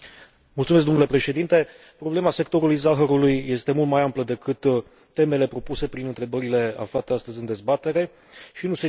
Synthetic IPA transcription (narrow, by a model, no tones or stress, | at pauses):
mult̪sumes̬d̪omnule̞pɾe̞ʃe̞d̪int̪e̞ | pɾo̞ble̞mase̞kt̪o̞ɾulujzaɦəɾulujːe̞st̪e̞mult̪majampləd̪e̞kɨt̪ː | e̞me̞le̞pɾo̞puse̞pɾinɨnt̪ɾe̞bəɾile̞a̰flat̪e̞ast̪əzʲɨnd̪e̞zbat̪e̞ɾe̞ | ʃinuse